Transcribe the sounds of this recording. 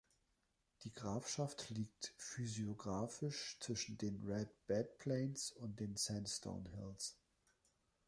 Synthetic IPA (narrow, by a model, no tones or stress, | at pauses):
d̥iːɡʁaːfʃaftliːk̚tfyzioɡʁaːfɪʃt͡sv̥ɪʃn̩deːnʁɛdb̥ɛt̚pʰl̥ɛɪnsʊnt̚d̥eːnsɛnstʰo̰ʊnhɪ̰ls